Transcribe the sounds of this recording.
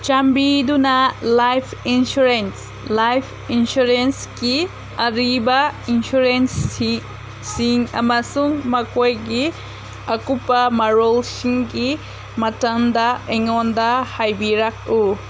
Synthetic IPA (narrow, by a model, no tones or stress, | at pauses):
t͡ʃambidunɐlajpʰinsuɾens | lajpʰinsuɾenski | ɐɾibɐinsuɾens | siŋɐ̰mɐsuŋmɐkojɡi | ɐkupɐmɐɾolsiŋɡi | mɐtɐŋdɐeŋɔndahajbiɾak̚u